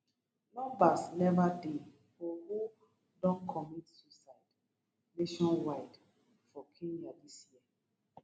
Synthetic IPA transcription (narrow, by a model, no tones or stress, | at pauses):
nɔ̃mbasnɛvade | fɔhu | dɔ̃nkʰɔmitsusaɪd | neʃɔ̃nwaɪd | fɔkʰẽnjadisjiə